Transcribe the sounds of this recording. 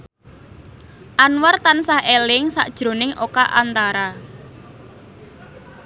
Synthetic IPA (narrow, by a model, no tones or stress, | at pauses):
ʔanwart̪ansahelɪŋsa̰ʔd̥ʒ̥ɾo̤nɪŋokaʔa̰nt̪aɾa